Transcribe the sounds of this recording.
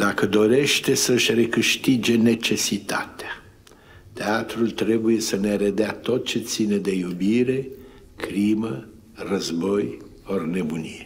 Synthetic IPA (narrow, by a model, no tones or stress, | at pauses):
d̪akəd̪o̞ɾe̞ʃt̪e̞səɨʃʲre̞kɨʃt̪id͡ʒe̞ne̞t͡ʃe̞sit̪at̪ea | t̪eat̪ɾult̪ɾe̞buje̞səne̞ɾed̪eat̪o̞t̪̚t͡ʃe̞t̪sine̞d̪e̞jubiɾe̞ | kɾimə | rəzbo̞j | orne̞bunije